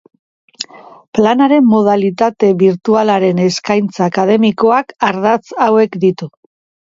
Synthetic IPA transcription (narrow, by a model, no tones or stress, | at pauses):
planaɾe̞mːo̞ð̞alit̪at̪e̞βiɾt̪ualaɾe̞ne̞skajnt͡saːkað̞e̞miko̞akaɾðat͡sawe̞kd̪it̪u